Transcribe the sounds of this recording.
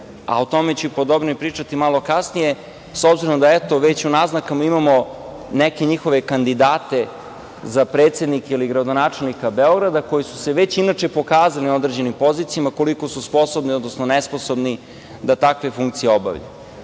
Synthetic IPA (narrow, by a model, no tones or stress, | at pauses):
a̰ot̪o̞met͡ɕupod̪obnoipɾiːt͡ʂat̪imalˠo̞kasnije̞ | sobziɾomd̪aet̪o̞ʋet͡ɕunaznakamaimamo̞ | neke̞ɲixo̞ʋe̞kand̪id̪aːt̪e̞ | zapɾeːt̪se̞d̪nikeiliɡɾad̪o̞naːt͡ʃe̞lˠnikabe̞o̞ɡɾad̪ako̞jisu̥seʋe̞t͡ɕinat͡ʃepo̞kaːzaliod̪ɾed͡ʑe̞nimpo̞zit̪sijamako̞liko̞suspo̞sobnio̞d̪nosnonespo̞so̞bni | d̪at̪akʋe̞fuŋkt̪sijeo̞ba̰ʋʎa̰